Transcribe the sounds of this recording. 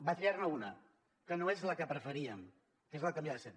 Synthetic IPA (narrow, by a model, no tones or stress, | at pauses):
bat̪ɾiaɾnəunə | kənoezləkəpɾəfəɾiəm | kezləkamjaðəsɛ